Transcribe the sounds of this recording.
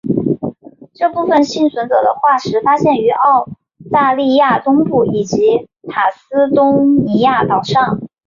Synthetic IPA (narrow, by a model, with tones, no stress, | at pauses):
ʈ͡ʂɤ˥˧pu˥˩fə˨˩nɕi˥˩nswə˧˥nt͡sɤ˨˩d̪ə̰˦xwa˥˩ʂɻ̩˧˥fa˥ɕjɛ˥˩ny˧˥ʔɑ˥˧ʊ | t̪a˥˧li˥˧ja˥˩t̪ʊ˥ŋpu˥˩i˨˩t͡ɕi˧˥ | t̪ʰa˨˩sɹ̩˥t̪ʊ˥ŋni˧˥ja˥˩t̪ɑ˨˩ʊʂɑ˥˩ŋ